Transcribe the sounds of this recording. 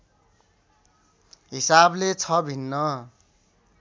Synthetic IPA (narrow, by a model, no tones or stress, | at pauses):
ɦisablet͡sʰʌbʱinːʌ